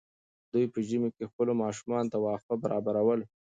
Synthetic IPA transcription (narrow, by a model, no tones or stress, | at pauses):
d̪ujpəʒimekexpəlomɑʃumɑnot̪awɑfabaɾʔɑbaɾawəl